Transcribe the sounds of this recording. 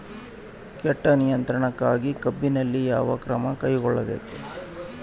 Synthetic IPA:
kɛʈːɐnijɐnt̪ɾɐɳɐkːaːɡikɐbːinɐlːijaːʋɐkɾɐmɐkɐjɡɔɭːɐbḛːku

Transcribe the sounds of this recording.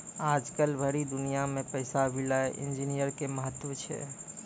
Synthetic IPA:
ad͡ʒkəlbʱəɾid̪ʊnijamẽpəɪsabilaeʔɪ̰̃nd͡ʒinijəɾkeməɦət̪ːʋət͡ʃʰɛ̰

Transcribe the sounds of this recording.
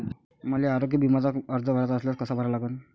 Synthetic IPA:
məleaɾoɡjəbʱimat͡saəɾd͡zəbʱəɾat͡saəsljaskəsabʱəɾalaɡən

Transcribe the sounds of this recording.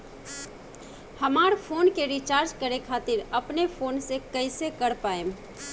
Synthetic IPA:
həmaːɾpʰoːnkeɾit͡ʃaːɾd͡ʒkəɾekʰaːt̪ɪɾəpnepʰoːnsekəɪsekəɽpaːem

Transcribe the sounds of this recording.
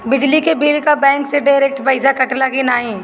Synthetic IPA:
bɪd͡ʒlikebiːlkabɛ̃ːŋkseɖaːɪɾeːk̚ʈpaɪzakɐʈlakinaːɦĩː

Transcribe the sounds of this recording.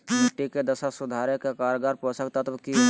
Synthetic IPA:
əʈːiked̪əsasud̪ʱaɾekekaɾɡaɾpɔ̃səkt̪at̪əbki

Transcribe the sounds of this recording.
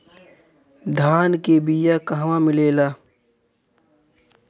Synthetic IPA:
d̪ʱaːnkebijakɐɦʋãmɪleːlaː

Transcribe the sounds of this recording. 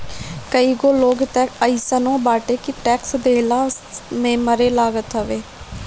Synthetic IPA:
kəiːɡoːloːɡt̪əkəiːsənõːbaːʈeːkɪʈɛːksd̪eːlaːmẽːməɾeːlaːɡət̪ɦəʋeː

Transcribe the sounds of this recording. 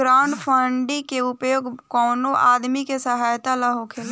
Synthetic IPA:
ɾaʊɳɖpʰəɳɖĩkeʊpjoːɡkɔːnoʔaːd̪mikesəɦaːjt̪alaɦokʰel

